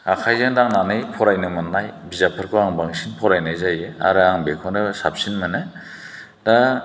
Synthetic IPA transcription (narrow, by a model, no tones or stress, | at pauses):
akʰajzaŋdaŋnanɯjpʰɔɾajnɯmɯnːajbizapʰɯɾkʰɔaŋbaŋsinpʰɔɾajnajzajea̰ɾɯaŋbekʰɔndɯsap̚sinmɯnɯ | da